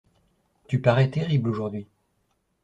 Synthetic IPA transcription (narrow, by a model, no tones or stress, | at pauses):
t̪ypaʁɛt̪eʁibloʒuʁd̪ɥi